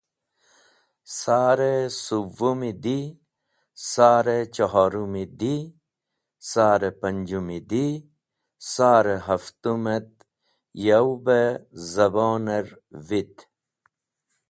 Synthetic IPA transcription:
saːɾesuʋumid̪i | saːɾet͡ɕɐɦaːɾumid̪i | saːɾepɐɲd͡ʒumid̪i | saːɾeɦɐft̪umet̪̚ | jɐwbezɐbɔːneɾ | vit̪

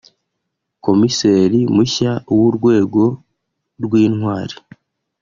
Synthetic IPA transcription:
ko̞mise̞ːɾimuçawuɾɡwe̞ːɡo̞ | ɾɡwiːnhwaːɾi

